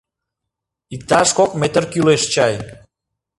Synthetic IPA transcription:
ik̚t̪ɑʃkokmet̪ərkyleʃt͡ɕɑj

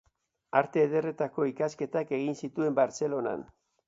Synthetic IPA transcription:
aɾt̪e̞ːðe̞re̞t̪ako̞ikaske̞t̪ake̞ɣinsit̪ue̞mbaɾt͡se̞lo̞na̰n

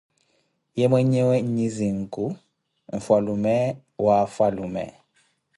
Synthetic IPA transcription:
jɛmwɛɲɛwɛɲ̩ɲiziŋ̩kʼu | ɱ̩falumɛ | wafalumɛ̰

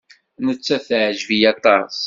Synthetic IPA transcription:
nət͡sːæθʕʒvijɑt̪ˤɑs

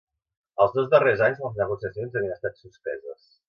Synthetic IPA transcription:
əlˠzðozðərezaɲznəlˠznəɣ̞usiəsionzəβiənəst̪at̪suspɛ̰zəs

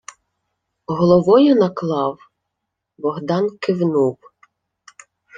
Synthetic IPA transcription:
ɦɔlˠɔʋɔjʊnɐklˠɑw | bɔɦd̪ɑnkɪwnup

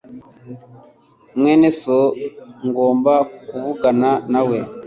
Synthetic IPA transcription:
ŋwenesoŋɡombakuβuɡananawe

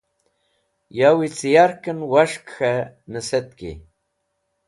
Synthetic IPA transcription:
jawit͡sijaɾkənwaʃkxanəset̪kḭ

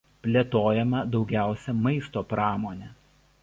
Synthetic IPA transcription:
pʲlʲeːt̪oːjɛmɐd̪ɒʊɡʲæˑʊsʲɛmɐɪst̪oːpɾɑːmoːnʲɛ

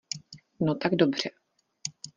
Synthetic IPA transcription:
not̪aɡdobr̝̥ɛ

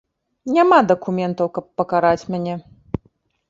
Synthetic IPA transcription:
nʲamad̪ɐkumʲɛnt̪ɐwkɐpːɐkaɾat͡sʲmʲanʲɛ

